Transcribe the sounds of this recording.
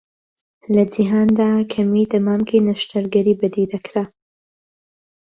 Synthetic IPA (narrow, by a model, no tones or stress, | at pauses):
lɐd͡ʒɪɦaːnd̪aːkʰɐmid̪ɐmaːmkʰinaʃt̪ɐɾɡɐɾiːbɨd̪id̪ɐkʰɾa